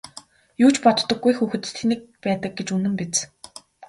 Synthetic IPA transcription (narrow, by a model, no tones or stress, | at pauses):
juːt͡ɕpɔt̪t̪ːɞ̆ɡːujxuːxɘ̆t̪t̪ʰenɘ̆k̚pæːt̪ə̆k̚ɡet͡ɕunɘ̆mpet͡s